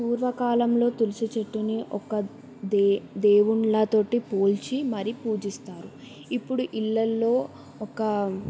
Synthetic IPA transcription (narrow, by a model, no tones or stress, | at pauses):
puːɾʋɐkaːlɐmlo̞ːt̪ulusit͡ʃɐʈːuniʔɔ̰kɐ | d̪d̪e̞ːwuɳlɐt̪o̞ːʈipo̞ːlt͡ʃimɐɾipuːd͡ʒist̪aːɾu | ipːuɽuʔilːɐlːo̞ː | ɔkɐ